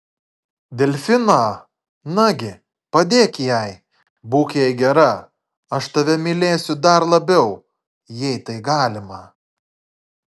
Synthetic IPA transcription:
d̪ʲɛlʲfʲɪnaː | nɐɡʲɪ | pɐd̪ʲeːkʲjɛɪ | buːkʲjɛɪɡʲɛɾɐ | ɐʃt̪ɐʋʲɛmʲɪlʲeːsʲʊd̪ɐɾlˠɐbʲɛʊ | jɛɪt̪ɐɪɡɑːlʲɪmɐ

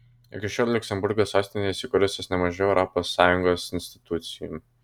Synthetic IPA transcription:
ɪ̰kʲɪʃʲɔːlʲlʲʊksʲɛmbʊɾɡoːsɑˑʊsʲt̪ʲɪnʲeɛsʲɪkʊɾʲʊsʲosnʲɛmɐʒʲɛʊɛʊɾɔposːɑːjʊŋɡoːsɪnʲsʲt̪ʲɪ̥t̪ʊt̪sʲɪjʊ̰m

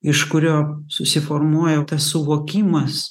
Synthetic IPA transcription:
ɪʃkʊɾʲoːsʊsʲɪfoːrmuɔjɛt̪ɐssʊʋoːkʲiːmɐs

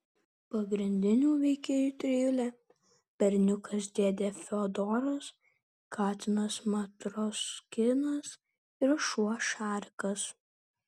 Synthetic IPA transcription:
pɐɡɾʲɪnʲd̪ʲɪnʲuːʋʲɛɪkʲeːjuːt̪ʲɾʲɪjʊlʲɛ | pʲɛɾʲnʲʊkɐsd̪ʲeːd̪ʲeːfʲɛɔd̪ɔːɾɐs | kʰɑːt̪ʲɪnɐsmɐt̪ɾɔskʲɪnɐs | ɪɾʃuɔʃɑːɾʲkɐs

